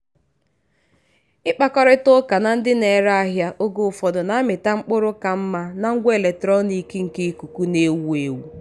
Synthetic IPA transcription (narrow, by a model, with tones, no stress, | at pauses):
ɪ˦k͡pa˦kɔ˦ɾɪ˦tʊ˦ka˨na˨n̩˦dɪ˦ne˨ɾa˦a˦ɦja˦ʔo˦ɡo˦˨fɔ˨dʊ˨na˨˦a˦mɪ˨ta˦ŋ͡m̩˦k͡pʊ˦ɾʊ˦ka˨m̩˦ma˦na˨ŋ̩˦ɡʷe˨le˨tɾɔ˦ni˨ke˦ŋ̩˨ke˦ku˨ku˦ne˦wu˦e˨wu˨